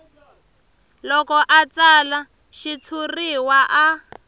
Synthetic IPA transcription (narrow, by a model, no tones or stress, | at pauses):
lɔkɔʔat͡sala | ʃit͡sʰuriwaʔa